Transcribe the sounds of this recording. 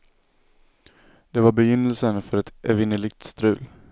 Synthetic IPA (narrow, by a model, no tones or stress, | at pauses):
d̪̥ɛvaɾbɛjʏnːəlsənfœɾɛt̪ɛvɪnəlɪɡ̚t̪st̪ɾʉ̟ːl